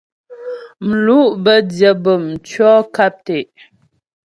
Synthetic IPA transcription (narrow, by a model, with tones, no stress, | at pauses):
m̩˨lu˦ʔbə˦djə˨bə˨m̩˨t͡ʃɥɔː˦ka˦p̚te˨ʔ